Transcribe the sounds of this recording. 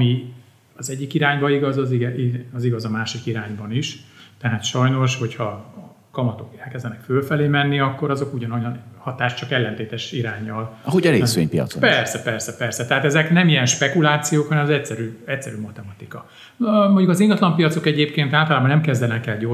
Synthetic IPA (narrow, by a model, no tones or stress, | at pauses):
mi | ɒzɛɟːikiɾaːɲbɒiɡɒzɒziɡɛiɒziɡɒzɒmaːʃikiɾaːɲbɒniʃt̪ɛɦaːt̪ʃɒjno̞ʃho̞chɒ | kɒmɒt̪o̞kɛlkɛzd̪ɛnɛkfølfɛleːmɛnːiɒkːo̞ɾɒzo̞kuɟɒnojɒnhɒt̪aːʃt͡ʃɒkɛlːɛnt̪eːt̪ɛʃiɾaːɲːɒlɒɦoɟɒɾḛːsʋḛɲpijɒ̰t̪so̰npɛrsɛpɛrsɛpɛrsɛt̪ɛɦaːt̪ɛzɛknɛmijɛnʃpɛkulaːt̪sijoːkhɒnɛmɒzɛc̚sɛɾyːɛctsɛɾyːmɒt̪ɛmɒt̪ikɒ | moɲɟukɒziŋɡɒt̪lɒmpijɒt̪so̞kɛɟeːpkeːnt̪aːlt̪ɒlaːbɒnɛmkɛzd̪ɛlɛŋkɛlɟo